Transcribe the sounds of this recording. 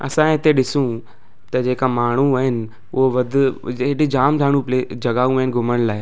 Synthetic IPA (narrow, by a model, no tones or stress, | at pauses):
ɐ̰sãɦɪt̪eɗɪsũ | t̪ɐd͡ʑeːkamaːɳ̤ũaɦɪnɪ̆ | ʊɦoʋɐd̪ʱʊeɗid͡ʑaːmd̪ʱaːɽ̤̃ũpleːd͡ʑɐɡaːũəɦɪnɪɡʱʊməɽ̃laːɪ